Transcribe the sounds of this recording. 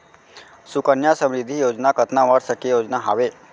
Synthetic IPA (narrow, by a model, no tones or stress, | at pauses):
sukənjasəmɾid̪ʱːijod͡ʑnakət̪naʋaɽsəkːejod͡znaɦa̰ʋe